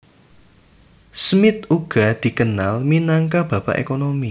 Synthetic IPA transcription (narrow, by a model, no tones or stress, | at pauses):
smɪt̪uɡ̥a̤d̪̥i̤kənalminaŋkab̥ä̤pa̰ʔḛkonomi